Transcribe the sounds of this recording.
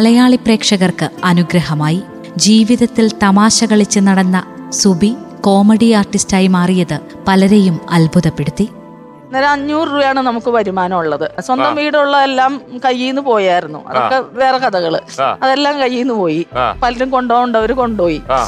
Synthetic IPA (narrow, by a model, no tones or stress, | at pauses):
ɐlɐjaːɭipre̞ːkʂɐɣɐrkɨɐnuɡɾɐɦɐmaːji | d͡ʑiːʋiðɐt̪ːilt̪ɐmaːɕɐɣɐɭit͡ɕːɨnɐɽɐnːɐsubiko̞ːmeɽiaːrʈistaːjimaːrijɐðɨ | pɐlɐɾejumɐ̰lbʱuðɐpːe̞ɽut̪ːi | nːɐɾɐɲːuːrːuːjaːɳɨnɐmukːɨpɐɾimaːnɐmuɭːɐðɨswɐnd̪ɐmʋiːɽuɭːɐelːaːmkɐjːiːnːɨpo̞ːjaːjiɾunːṵɐ̰ðokːe̞ʋe̞ːrɐkɐðɐɣɐɭɨɐðe̞lːaːmkɐjːiːnːɨpo̞ːjipɐlɐɾumko̞ɳɖoːuɳɖɐʋɐɾuko̞ɳɖoːji